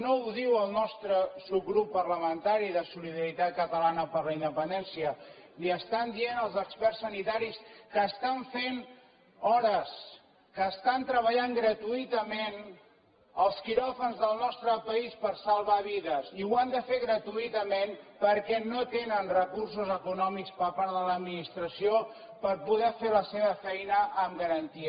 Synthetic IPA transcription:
nouðiwəlˠnɔst̪ɾəsub̚ɣɾupːərləmənt̪aɾiðəsuliðəɾit̪at̪̚kət̪əlanəpəɾləind̪əpənd̪ɛnsiə | liəst̪and̪ienəlˠzəkspɛrsːənit̪aɾiskəːst̪aɱfen | ɔɾəs | kəːst̪ant̪ɾəβ̞əʎaŋɡɾət̪uit̪əmen | əlˠskiɾɔfənzðəlˠnɔst̪ɾəpəispəɾsəlˠβaβiðəziuand̪əfeɣɾət̪uit̪əmenpəɾkɛnot̪enənrəkurs̬uzəkunɔmikspəɾpaɾðələd̪minist̪ɾəsio | pəɾpuðɛfeləseβəfɛjnəʔəmɡəɾənt̪i

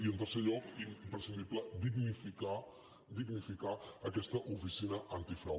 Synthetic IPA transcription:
iənt̪̬ərseʎɔkimmpɾəsind̪ipləd̪iɡnifika | d̪iɡnifikaəkɛst̪əʔufisinəʔant̪ifɛ

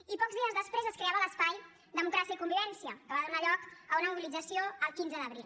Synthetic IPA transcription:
ipɔkzðiəzðəspɾezəskɾeaβələspaj | d̪əmukɾasiəikumbiβɛnsijəkəβaðunaʎɔkəunəmuβilid͡zəsioəlˠkinzəðəβɾil

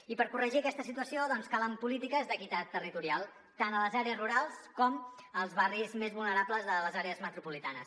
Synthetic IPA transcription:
ipəɾkurəʒiəkɛst̪əsit̪uəsioðɔnskaləmpulit̪ikəzðəkit̪at̪ːərit̪uɾialˠ | t̪anələzaɾeəzruɾalˠskɔməlˠzβarizmezβulˠnəɾapləzðələzaɾeəzmət̪ɾupulit̪anəs

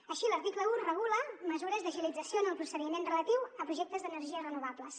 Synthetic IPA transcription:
əʃiləɾt̪ikləurrəɣ̞uləməzuɾəzðəʒilid͡zəsjonəlˠpɾusəðimenrələt̪iwəpɾuʒɛk̚t̪əzðənəɾʒiəzrənuβabləs

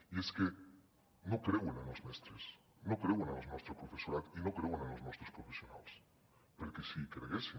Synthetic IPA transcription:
ieske | nokɾewenanozmest̪ɾes | no̞kɾewenaloznost̪ɾopɾofesoɾat̪inokɾewenanozmost̪ɾospɾofesjona̰ls | peɾkesikɾeɣesi

